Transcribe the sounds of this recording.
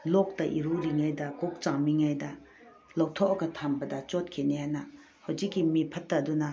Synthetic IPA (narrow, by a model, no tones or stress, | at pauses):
lok̚tɐʔiɾuɾiŋajdɐkok̚t͡ʃaŋmiŋajdɐ | lowtʰoʔɐɡɐtʰambɐdɐt͡ʃot̚kʰinehajnɐ | hawd͡ʒikːimipʰɐtːɐdunɐ